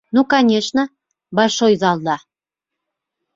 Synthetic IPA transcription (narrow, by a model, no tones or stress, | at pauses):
nukɑnʲeʃnə̆ | bɑʃojzɑlˠd̪ɑ